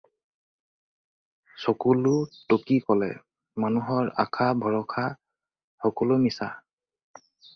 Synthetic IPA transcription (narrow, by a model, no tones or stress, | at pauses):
sɔkulʊtokikɔlɛ̰ | manuɦɔɹa̰kʰabʱɔɹɔkʰa | xɔkɔlʊmisa